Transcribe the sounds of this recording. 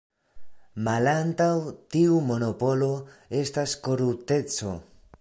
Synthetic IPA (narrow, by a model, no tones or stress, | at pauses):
malant̪awt̪iumo̞no̞po̞lo̞e̞stasko̞ɾut̪e̞t͡so̞̰